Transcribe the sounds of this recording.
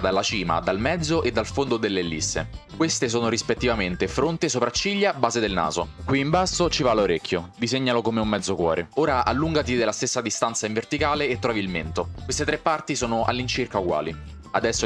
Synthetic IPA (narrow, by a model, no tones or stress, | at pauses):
d̪alːat͡ʃiːma̰d̪almɛd̪zːoʔed̪ːalfond̪od̪elːelːisːḛ | kwest̪es̬oːnoɾispet̪ːivament̪efɾont̪esopɾat͡ʃːiʎːabaːzed̪elna̰ːzo̰kwiːmbasːot͡ʃivaloɾekːjod̪izeɲːalokomeumːɛd̪zːokwɔ̰ːɾeoːɾaʔa̰lːuŋɡat̪id̪elːast̪esːad̪ist̪ansaiɱvert̪ikaːleːt̪ːɾɔːvilment̪okwest̪et̪ɾepːart̪isoːnoʔa̰lːint͡ʃirkauɡwa̰ːli | ad̪ɛsːo